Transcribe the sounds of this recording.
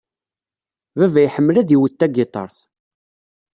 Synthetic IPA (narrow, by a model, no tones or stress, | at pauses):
vævæjħəmːlæðiwət̪ːæɡɪt̪ˤɑ̰ɾˤθ